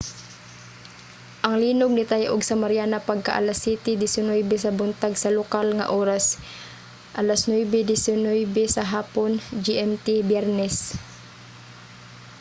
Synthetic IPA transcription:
ʔɐŋliːnʊɡ̚nɪt̪ajʔʊɡsɐmaɾjaːnapaɡ̚ka̰ʔa̰lasiːt̪ɪd̪ɪsɪnojbɛsɐbʊnt̪aɡsɐlʊkalŋa̰ʔoːɾas | ʔɐlasnwɛjbɛd̪ɪsɪnojbɛsɐɦaːpond͡ʒiʔɛmt̪ɪbjɛɾnɛs

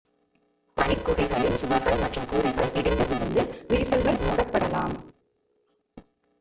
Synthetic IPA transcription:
pɐɳɪkːʊɣɐɪɣɐɭɪnsʊʋɐɾɣɐɭmɐʈrɯmkuːɾɐɪɣɐɭpɪɽɪnd̪ɐʋɪɾɯnd̪ɯʋɪɾɪsɐlɣɐɭnuːɽɐpːɐɽɐla̰ːm

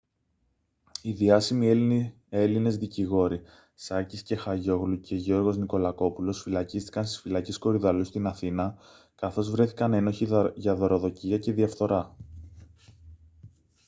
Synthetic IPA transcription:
iðiɐsimie | e̞line̞zðiciɣo̞ɾi | sɐcisce̞xɐʝo̞ɣluce̞ʝo̞ɾɣo̞zniko̞lɐko̞pulo̞sfilɐcist̪i̥kɐnst̪isfilɐcesko̞ɾiðɐlust̪inɐθinɐ | kɐθo̞zvɾe̞θi̥kɐne̞no̞çiʝɐðoɾo̞ðo̞ciɐce̞ðiɐfθo̞ɾɐ

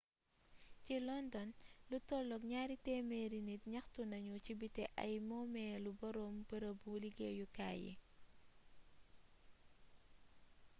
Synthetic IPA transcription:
t͡ʃilɔndɔnlutɔlɔkɲaːɾitɛmeɾinit̚ɲɐxtunɐɲut͡ʃibitɛʔɐ̰jmɔmɛlubɐɾombəɾɐbuliɡḛjuka̰jɛ̰

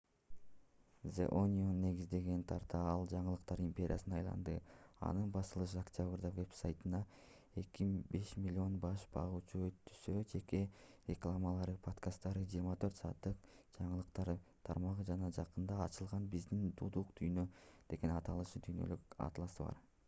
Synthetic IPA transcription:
zḛʔonʲionːe̞ɡizd̪e̞ɡe̞nt̪ʰɑɾt̪ɑɑlˠd͡ʒɑɴɯlˠɯqt̪ɑɾimpʲe̞ɾ̰ʲjasɯnɑjlˠɑ̰nd̪ɯɑ̰nɯnbɑsɯlˠɯʃ̬ɯaktʲabrd̪ɑve̞psajt̪ɯnɑ | e̞kibe̞ʃmʲilʲːio̞nbɑʃbɑ̰ʁuːt͡ʃuøt̪ːy̥sød͡ʒe̞ke̞ɾʲeklˠamɑlˠɑɾɯpʰot̪kast̪ːɑɾɯd͡ʒiːɾmɑt̪ʰø̞ɾt̪sɑːt̪ːɯq̚ | d͡ʒɑɴɯlˠɯqt̪ɑɾt̪ʰɑɾmɑʁɯd͡ʒɑnɑd͡ʒɑqɯnd̪ɑːt͡ʃɯlˠʁɑnbizd̪ind̪ud̪uqd̪yjnø̞d̪e̞ɡe̞nɑt̪ɑlˠɯʃɯd̪yjnø̞̰lykɑ̰t̪lˠɑsɯβɑ̰ɾ

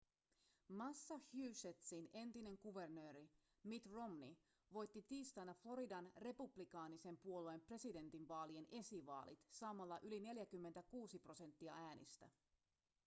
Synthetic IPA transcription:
mɑsːɑhjyːset̪sine̞nt̪ine̞ŋkuʋe̞rnø̞ːɾi | mit̪ro̞mni | ʋo̞jt̪ːit̪iːst̪ɑnːæflo̞ɾidɑnre̞publikɑːnise̞mpuo̞luempre̞side̞nt̪inʋɑːlie̞ne̞siʋɑ̰ːlḭt̪sɑmɑlːɑʔyline̞ljækymːent̪ækuːsipro̞se̞nt̪ːiɑæːnḭst̪æ

